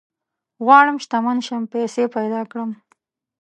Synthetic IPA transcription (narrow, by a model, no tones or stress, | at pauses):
ɣwɑɽəmʃt̪amanʃampesepajd̪ɑkɽəm